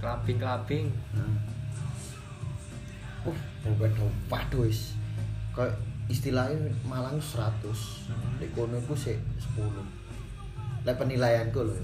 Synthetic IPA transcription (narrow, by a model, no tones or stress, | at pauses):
kab̥ɪŋkab̥ɪŋ | uf | obaɖ̥ɔwaɖ̪̥ɔ̤ɪskaist̪ilaɦimalaŋsɾat̪ʊs | leʔkonokuseʔsə̥pulʊh | lapənilajankulɔ